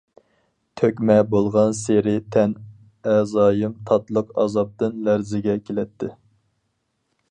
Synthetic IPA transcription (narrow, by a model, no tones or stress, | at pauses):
t̪ʰøkʲmɛbolˠʁɑnseɾɪt̪ʰɛn | ɛzɑːjɨmt̪ʰɑt̪lˠʊqɑ̰zɑp̚t̪ɨnlæɾzɪɡʲɛkʲʰelɛt̪ʰːɪ